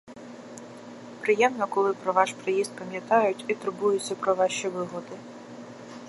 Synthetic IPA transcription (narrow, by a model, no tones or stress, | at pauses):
pɾɪjɛmnɔkɔlˠɪpɾɔʋɑʃpɾɪjizd̪̚pɐmʲjɐt̪ɑjʊtʲit̪ʊɾbujʊt͡sʲːɐpɾɔʋɑʃiʋɪɦɔd̪ɪ